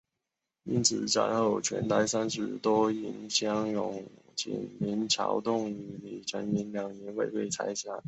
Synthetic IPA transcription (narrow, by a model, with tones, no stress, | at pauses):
i˥nt͡sʰɹ̩˨˩ʈ͡ʂa̰˧˥nxo˥˩ʊt͡ɕʰɥɛ̰˧˥nt̪a˧˥ɪsa˥nʂɻ̩˧˥t̪wo˥i˧˥nɕjɑ˥ŋjʊ˧˩ŋ | t͡ɕḭ˨˩nmi˧˥nt͡ɕʰjɑ̰˧˥ʊt̪ʊ˥˩ŋi˧˥mi˨˩ʈ͡ʂʰə˧˥ni˧˥nljɑ˨˩ŋnɛ˧˥nwe˥˧ɪwe˥˩ɪt͡sʰa˧˥ɪɕja˨˧˩n